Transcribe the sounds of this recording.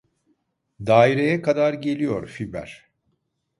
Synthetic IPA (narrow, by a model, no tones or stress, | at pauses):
d̪aːiɾejɛkʰad̪aɾɟe̞lʲijo̞̰ɾfibæ̰ɾ̥